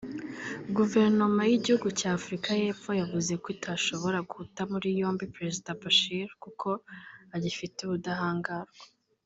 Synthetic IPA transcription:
ɡuve̞ɾno̞majiɟihuɡucaːfuɾikaje̞ːpfo̞javuze̞kwitʰaʃo̞βo̞ɾaɡuhutamuɾijo̞ːmbipɾe̞zidabaʃiɾkukʰo̞aɟifiteβudaɦaːŋɡaːɾɡe̥

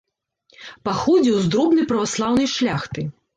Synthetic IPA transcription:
paxɔd͡zʲiwzd̪ɾɔbnɨjpɾɐvaslˠawnɨjʂlʲaxt̪ɨ

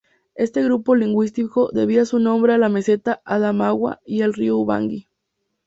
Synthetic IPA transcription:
e̞st̪e̞ɣɾupo̞liŋɡwis̬t̪iko̞ðe̞β̞iasunõ̞mbɾealame̞se̞t̪aʔaðamaɣwa̰ielriouβa̰ŋɡi

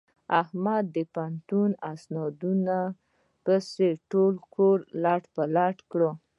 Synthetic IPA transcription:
ahmad̪ːəpant̪unasnɑd̪una | pəseʈolkʰoɾlaʈpəlaʈkɽə

